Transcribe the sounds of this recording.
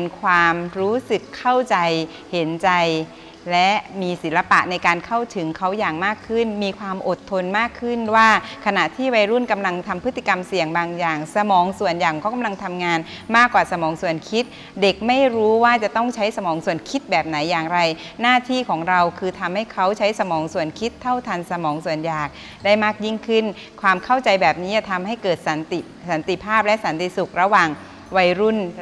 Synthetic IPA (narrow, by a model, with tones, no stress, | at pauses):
nkʰwaː˧mɾuː˦˥sɯ˨˩kʰːa˥˩wt͡ɕa˧j | he˩˦nt͡ɕa˧j | lɛ˦˥miː˧si˩˦nla˧pa̰˨˩ʔna˧jkaː˧nkʰa˥˩wt̪ʰɯ˩˦ŋkʰa˦˥wjaː˨˩ŋmaː˥˩kʰːɯ˥˩nmiː˧kʰwaː˧mʔo˨˩t̪ʰːo˧nmaː˥˩kʰːɯ˥˩nwaː˥˩kʰa˧na˨˩ʔt̪ʰiː˥˩wa˧jɾu˥˩nka˧mla˧ŋt̪ʰa˧mpʰɯ˦˥t̪ʰːi̥˨˩ka˧msi˨˩əŋbaː˧ŋjaː˨˩ŋsa˧mɔː˩˦ŋsu˨˩ənjaː˨˩ŋkɔː˥˩ka˧mla˧ŋt̪ʰa˧mŋaː˧nmaː˥˩kːwaː˨˩sa˧mɔː˩˦ŋsu˨˩ənkʰi˦˥t̪̚ | de˨˩k̚ma˥˩jɾuː˦˥waː˥˩t͡ɕa˨˩t̪ɔ˥˩ŋt͡ɕʰa˦˥jsa˧mɔː˩˦ŋsu˨˩ənkʰi˦˥t̪̚bɛː˨˩p̚na˩˦jːaː˨˩ŋɾa˧jnaː˥˩t̪ʰiː˥˩kʰɔː˩˦ŋɾa˧wkʰɯː˧t̪ʰa˧mha˥˩jkʰa˦˥wt͡ɕʰa˦˥jsa˧mɔː˩˦ŋsu˨˩ənkʰi˦˥t̪ʰːa˥˩wt̪ʰa˧nsa˧mɔː˩˦ŋsu˨˩ənjaː˨˩k̚ | da˥˩jmaː˥˩k̚ji˥˩ŋkʰɯ˥˩n | kʰwaː˧mkʰa˥˩wt͡ɕa˧jbɛː˨˩p̚niː˦˥a˧t̪ʰa˧mha˥˩jkɤː˨˩t̪̚sa˨˩˦nt̪i˨˩ | sa˩˦nt̪i˨˩pʰaː˥˩p̚lɛ˦˥ʔsa˩˦nt̪i˧˩su˨˩k̚ɾa˧waː˨˩ŋ | wa˧jɾu˥˩n